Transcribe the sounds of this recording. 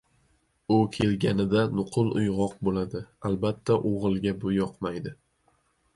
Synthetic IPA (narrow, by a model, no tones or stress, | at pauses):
ʊkʲʰe̞lɡʲanɪd̪anʊqʰɨlˠʊjʁɒq̚bolad̪ɪalbat̪ʰːaʔoʁɨlˠɡʲabʊjɒqmajd̪ɪ